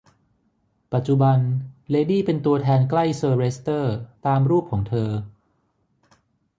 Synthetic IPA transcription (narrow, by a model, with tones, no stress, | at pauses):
pa˨˩t̪̚t͡ɕu˨˧˩ba˧nleː˧diː˥˩pe˧nt̪u˧ɐt̪ʰɛː˧nkla˥˩jsɤː˧ɾeː˦˥st̪ɤː˥˩t̪aː˧mɾuː˥˩p̚kʰɔː˩˦ŋt̪ʰɤː˧